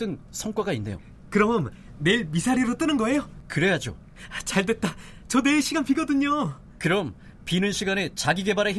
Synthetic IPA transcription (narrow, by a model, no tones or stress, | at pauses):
t͈ɯnsʰʌŋk͈waɡainːe̞̰jo̰ | kɯɾʌmnː | e̞iɭmisʰaɾiɾot͈ɯnɯnɡʌe̞jokɯɾe̞jad͡ʑo̰ | t͡ɕaɭdwe̞t̚t͈a | t͡ɕʌne̞ɕʰiɡanpiɡʌdɯɲo | kɯɾʌm | pinɯnɕʰiɡanet͡ɕaɡiɡe̞baɾei